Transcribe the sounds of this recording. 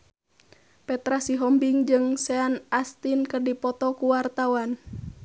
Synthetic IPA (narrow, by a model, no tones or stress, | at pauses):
pɛt̪ɾasiɦɔmbiŋd͡ʒɨŋsɛanast̪inkərdipɔt̪ɔkuwart̪awan